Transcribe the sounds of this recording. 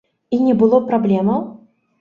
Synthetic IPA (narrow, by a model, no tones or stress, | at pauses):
inʲɛbɨlˠɔpɾablʲɛmɐw